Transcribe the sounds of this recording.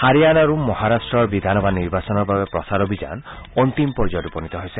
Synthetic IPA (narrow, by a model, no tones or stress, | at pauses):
haɾijanaɾumɔɦaɾasʈɾɔɾbid̪ʱanɔbaniɾbasɔnɔɾbʱabepɾɔsaɾɔbʱid͡ʒa̰nɔnt̪impɔɾd͡ʒɔɾupɔnit̪ɔɦojse